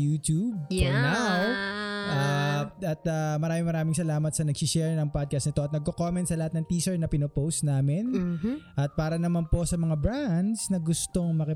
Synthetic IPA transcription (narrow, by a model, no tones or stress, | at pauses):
juːt̪ub̚nawʔaɐt̪amɐɾaːmɪŋmɐɾaːmɪŋsɐlaːmɐt̪sɐnɐɡsiʃɛɹnɐŋpad̪̚kɐst̪nɪt̪o̞ɐt̪nɐɡ̚kokomɛnt̪sɐlɐhat̪nɐŋt̪iːsɛɹnɐpɪnopowst̪naːmɪnʔɐt̪̚paːɾɐnɐmanpo̞sɐmɐŋabɾand̪snɐɡʊst̪o̞ŋmɐkɐ